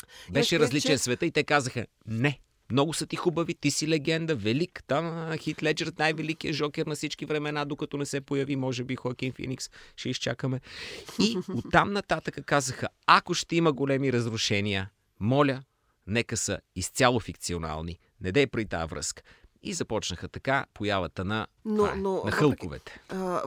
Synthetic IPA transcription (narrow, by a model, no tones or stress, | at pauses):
bɛʃɛɾɐzlit͡ʃɛnsvɛt̪əit̪ɛkazəxə | nɛ | mnɔɡʊsət̪ixubəvit̪isilɛɡɛnd̪əvɛlikt̪amxit̪lɛd͡ʒɛɾt̪najvɛlik̟ijəʒɔkʲɛɾnɐfsit͡ʃkivɾɛmɛnad̪okɐt̪ɔnɛsɛpojɐvimɔʒɛbixɔkinfḭniksʃɛist͡ʃakəmɛiott̪ːamnɐt̪at̪əkəkazəxə | ɐkoʃt̪ɛiməɡolɛmiɾəzɾʊʃɛniə | mɔlʲə | nɛkəsə̰ist̪sʲjalˠʊfik̚t̪siona̰lˠni | nɛd̪ɛpɾit̪a̰vɾɤ̰skə̥ḭzɐpɔt͡ʃnəxət̪ɐkapojavət̪ənɐna̰onɐxɤlˠkovɛ̰t̪ɛ̥